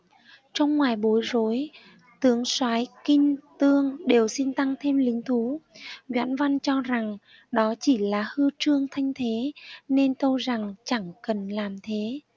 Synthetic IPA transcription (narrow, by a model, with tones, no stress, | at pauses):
t͡ɕɔ˧wŋ͡mŋwaː˨˩jɓo˨˦jzo˨˦j | t̪ɨ˨˦əŋswaː˨˦jkï˧ŋ̟t̪ɨ˧əŋɗe˨˩wsi˧nt̪a˧ŋt̪ʰe˧mlï˨˦ŋ̟t̪ʰu˨˦zwa̰˧˥nva˧nt͡ɕɔ˧za˨˩ŋ | ɗɔ˨˦t͡ɕi˧˩laː˨˩hɨ˧t͡ɕɨ˧əŋt̪ʰa˧jŋ̟t̪ʰe˨˦ne˧nt̪ə˧wza˨˩ŋt͡ɕa˧˩ŋkə˨˩nlaː˨˩mt̪ʰe˨˦